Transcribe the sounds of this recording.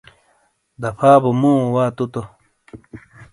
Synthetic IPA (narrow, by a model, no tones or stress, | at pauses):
d̪ɐpʰaːbumũːwaːt̪ut̪o